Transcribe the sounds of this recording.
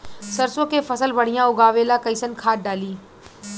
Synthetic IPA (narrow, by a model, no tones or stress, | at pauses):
sɐɾsokʰefɐsəlbɐɽ̤ijãʊɡaːʋelaːkɐisənkʰaːʈ̚ɖaːliː